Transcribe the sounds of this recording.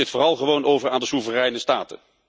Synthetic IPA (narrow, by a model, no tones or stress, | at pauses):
ɪtfoːrɑlˠχəʋownʔowvəraːndəsuvərɛjnəstaːtə̰